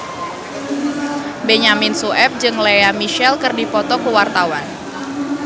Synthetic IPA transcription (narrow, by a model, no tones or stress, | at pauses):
beɲamɪnsuʔɛp̚d͡ʒɨŋlejamiʃɛlkɨrdipɔt̪ɔkəwart̪awan